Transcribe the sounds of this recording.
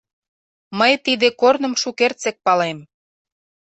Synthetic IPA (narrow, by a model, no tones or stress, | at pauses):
məjt̪id̪ekornə̆mʃukert͡sĕk̚pɑlem